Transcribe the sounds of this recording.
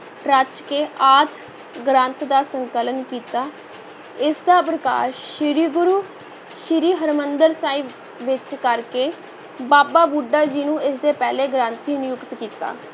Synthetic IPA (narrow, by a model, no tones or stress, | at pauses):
ɾət͡ʃkeːʔaːt̪ʰ | ɡɾãːnt̪d̪aːsəŋkələnkiːt̪aː | ɪsd̪aːpɾəka̰ːɾʃʃɪɾiːɡʊɾuː | ʃɪɾiːɦəɾmənd̪əɾsaːiː | ʋɪt͡ʃkəɾkeː | baːbaːbuɖːaːd͡ʒiːnũːɪsd̪eːpɛːleːɡɾãːnt̪iːnɪjʊkt̪kiːt̪a̰ː